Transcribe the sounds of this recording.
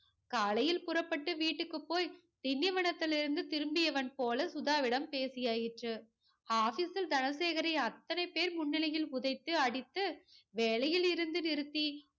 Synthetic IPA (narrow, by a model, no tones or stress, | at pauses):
kaːlɐjɪlpʊrɐpːɐʈːɯʋiːʈːɯkːɯpːoːj | d̪̥ɪnjɐʋɐɳɐt̪ːɪlɪɾɯnd̪ɯt̪ɪɾɯmbɪjɐʋɐnpoːlɐsʊðaːʋɪɽɐmpeːsɪjaːjɪʈrɯ | aːfiːsɪld̪ɐnɐseːɣɐɾɐɪɐt̪ːɐnɐɪpːeːɾmʊɳːɪlɐjɪlʊðɐɪt̪ːɯɐɽɪt̪ːɯʋeːlɐjɪlɪɾɯnd̪ɯnɪɾɯt̪ːi